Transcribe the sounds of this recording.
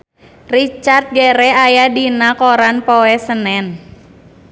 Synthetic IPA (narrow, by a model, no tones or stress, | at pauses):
rit͡ʃart̪̚ɡeɾɛajadinakoɾanpoɛsənɛn